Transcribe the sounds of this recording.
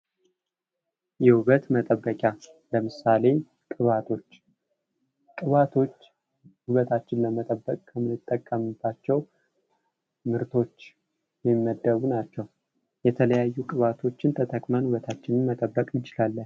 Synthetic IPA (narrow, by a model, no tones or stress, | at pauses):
jɛhuβət̪mət̪ʼəbːəkʼja | ləmɨsale̞ | kʼɨβat̪ʰo̞t͡ʃː | kʼɨβat̪ʰo̞t͡ʃː | huβət̪ʰat͡ʃːɪnləmət̪ʼəbːəkʼkʰəmɨnɨt̪ʼːəkʼːəmbːat͡ʃːɛw | mɨɾt̪ʰo̞t͡ʃː | jɛmːəd̪ːəβunat͡ʃːɛw | jɛt̪ʰələjajːukʼɨβat̪ʰo̞t͡ʃːɪnt̪ʰət̪ʰəkʼmanhuβət̪ʰat͡ʃːɪnɨnmət̪ʼəbːəkʼɨnt͡ʃɪlalːən